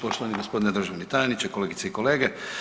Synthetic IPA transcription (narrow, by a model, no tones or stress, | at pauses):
poʃt̪oʋaniɡospo̞d̪ined̪ɾ̩ʒaʋnit̪ajenit͡ɕekoleɡit̪seiko̞leːɡe